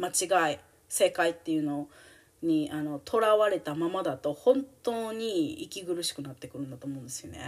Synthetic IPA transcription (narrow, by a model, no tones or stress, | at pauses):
mat͡ɕiɡai | se̞kait̪ːe̞jɯ̟no̞ | ɲ̟iano̞t̪ʰo̞ɾaβaɾe̞t̪amamad̪at̪o̞hõ̞nt̪o̞ːɲ̟iikʲiɡɯ̟ɾɯ̟ɕi̥kɯ̟nat̪ːe̞kɯ̟ɾɯ̟̃nd̪at̪oːmo̞ɯ̃nd̪esɨjo̞ne̞̰